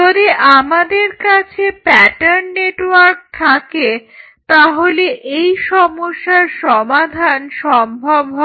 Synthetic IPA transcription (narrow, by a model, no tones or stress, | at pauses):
oɾeʔamad̪eɾkat͡ɕʰepɛʈaɾnːeʈwaɾk̚t̪ʰake | t̪aɦoleʔejʃɔmoʃːaɾʃɔmad̪ʱanʃɔmbʱobʱo